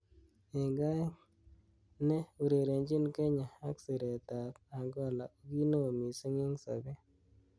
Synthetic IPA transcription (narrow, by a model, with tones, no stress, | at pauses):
e˨ŋɡa˦ | ne˦u˨ɾe˨ɾe˨ɲd͡ʒɪ˦nke˦ɲa˨a˦ksi˨ɾe˨ta˨ka˨ŋɡɔ˦la̰˨o˦ɡi˦no˦o˨mi˨se˦ŋe˦ŋsɔ̰˨be˦